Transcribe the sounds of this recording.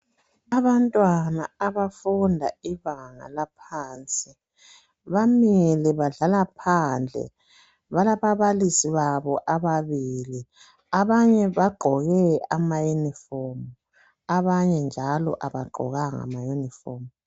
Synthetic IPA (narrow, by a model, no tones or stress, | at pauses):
aβantʼwanaaβafundʱaiβaŋa̰lapʰaːnt͡sʼi | βamiliβaɮalapʰand͡ɮʱɛ̰ | βalaβaβalisiβaβɔʔaβaβiːli | aβaɲɛβaɡ͡ǃʱɔɣɛamajunifɔmu | aβaɲɛnd͡ʒʱalɔ̰ʔa̰βaɡ͡ǃʱɔ̰ɣaŋa̰majunifɔːmu